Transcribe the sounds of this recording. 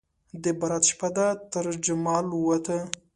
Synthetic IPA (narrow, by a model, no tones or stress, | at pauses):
d̪əbaɾat̪ʃpad̪at̪əɾd͡ʒamɑlwat̪ʰə